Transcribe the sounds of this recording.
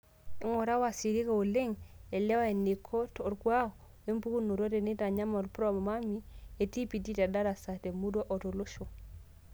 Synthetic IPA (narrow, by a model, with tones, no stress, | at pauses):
i˦ŋo˨ɾa˦wa˨si˨ɾi˦ka˨o˨le˦ŋe˨lɛ˦wa˦e˨ni˨kʰo˦to˨ɾkwa˦o˨ | e˦mpu˦ku˦no˨ɾo˦te˨ni˦ta˨ɲa˦mo˨lpɾo˦m˨ma˦mi˦e˨ti˦pi˨di˦ta˨da˦ɾa˨sa˨te˨mu˦do˦ʔɔ˨to˨lo˦ʃo˨